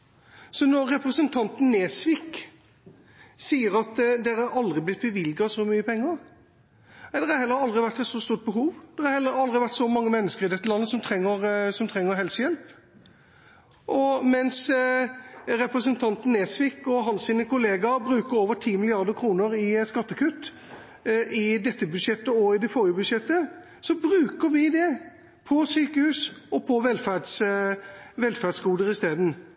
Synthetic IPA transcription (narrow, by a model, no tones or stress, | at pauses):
sɔnɔɾːɛpʁəsənt̪ʰɑnt̪n̩ːeːsʋɪk | siːəɾɑt̪d̪ɛɾɑɾɑld̪ʁɪblɪt̪̚bəʋɪlɡɑsɔmyːəpʰɛŋːəɾ | ɛd̪ɛɾɑhɛlːəɾɑld̪ʁɪʋæʈ̪ːɛt̪sɔst̪uːʈ̪̚bəɦuːʋd̪̥ɛʁhɑhɛlːəɾɑld̪ʁɪʋæʈ̪sɔmɑŋːəmɛnːəskəɾɪd̪ɛt̪ːəlɑnːəsɔmt̪ʰɾɛŋːəɾsɔmt̪ʰʁɛŋːəɾɦɛlsəjɛlp | ʔɔmɛns | ɾɛpɾəsənt̪ʰɑnt̪n̩ːeːsʋɪkɔɦɑnsiːnəkʊleːɡɑbɾʉːkəɾoːʋəʈʰiːmɪlɪɑʁd̪əkʰɾuːnəɾɪskɑt̪ːəkʰʉt̪ː | ɪd̪ɛt̪ːəbʉd̪ʃjɛt̪ːəɔɪd̪ɛfɔːɾjəbʉd̪ʂjɛt̪ːə | sɔbɾʉːkəɾʋɪd̪ɛ | pʰɔsyːkəhʉːsɔpʰɔʋɛlfæds | ʋɛlfæʁdsɡuːd̪əɾɪst̪eːd̪n̩